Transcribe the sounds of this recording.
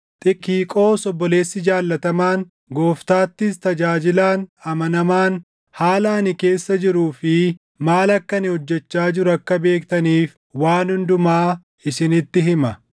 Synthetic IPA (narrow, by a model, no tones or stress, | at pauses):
t̪ʼɪkːiːkʼo̞ːsɔbːɔle̞ːsːɪd͡ʒaːlːɐt̪ɐmaːŋ | ɡo̞ːft̪aːt̪ːɪst̪ɐd͡ʒaːd͡ʒɪlaːnɐmɐnɐmaːn | haːlɐɐnɪke̞ːsːɐd͡ʒɪɾuːfɪ | maːlɐkːɐnɪhɔd͡ʒːɛt͡ʃːaːd͡ʒɪɾɐkːɐbe̞ːkt̪ɐniːf | waːnhʊnd̪ʊmaː | ɪsɪnɪt̪ːɪɦɪmɐ